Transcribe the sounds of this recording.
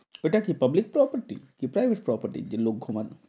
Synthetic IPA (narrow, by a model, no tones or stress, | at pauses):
eʈakipɐblik̚pɾɔpəɾʈḭkipɾajbʱeʈ̚pɾɔpəɾʈḭd͡ʑeloɡʱːoman